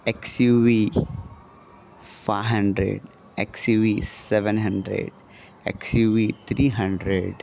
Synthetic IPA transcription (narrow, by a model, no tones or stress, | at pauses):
eksjuːʋi | faːɦɐ̃ɳɖɾḛɖ | eksjuːʋiseʋə̃nɦɐ̃ɳɖɾḛɖ | ḛksjuːʋit̪ʰɾiːɦɐ̃ɳɖɾeɖ